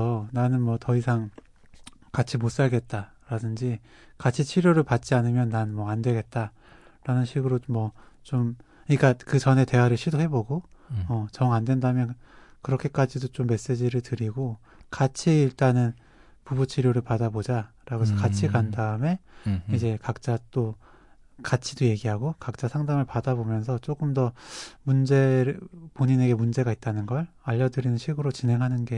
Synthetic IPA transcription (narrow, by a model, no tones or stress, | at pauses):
ʌnanɯnmwʌtʌisʰaŋ | kat͡ɕʰimos͈aɭɡe̞t̚t͈a | ɾadɯnd͡ʑi | kat͡ɕʰit͡ɕʰiɾjoɾɯɭpat̚t͡ɕ͈ianɯmjʌnːanmwʌandwe̞ɡe̞t̚t͈a | ɾanɯnɕʰiɡɯɾomwʌ | t͡ɕom | ɲik͈akɯt͡ɕʌne̞te̞ɦwaɾɯɭɕʰidoɦe̞boɡoʌt͡ɕʌŋandwe̞ndamjʌn | kɯɾʌkʰe̞k͈ad͡ʑidot͡ɕomːe̞s͈e̞d͡ʑiɾɯɭtɯɾiɡo | kat͡ɕʰiːɭt͈anɯn | pubut͡ɕʰiɾjoɾɯɭpadabod͡ʑaɾaɡos̬ʰʌkat͡ɕʰikandaɯme̞id͡ʑe̞kak̚t͡ɕ͈at͈o | kat͡ɕʰidoje̞ɡiɦaɡokak̚t͡ɕ͈asʰaŋdaŋɯɭpadabomjʌnsʰʌt͡ɕ͈ok͈ɯmdʌmund͡ʑe̞ɾpoɲine̞ɡe̞mund͡ʑe̞ɡait̚t͈anɯnɡʌɭ | aʎːʌdɯɾinɯnɕʰiɡɯɾot͡ɕinɦe̞ŋɦanɯnɡe̞